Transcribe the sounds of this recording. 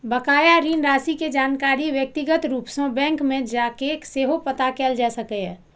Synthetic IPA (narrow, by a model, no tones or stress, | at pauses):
bəkaːjaɾiːnɾaːsiked͡ʒaːnkaːɾiʋjək̚t̪ɪɡət̪ɾuːpsõbɛ̃ːŋkmẽd͡ʒaːkekseːɦopət̪akɛːld͡ʒaːsəkɛɦɛː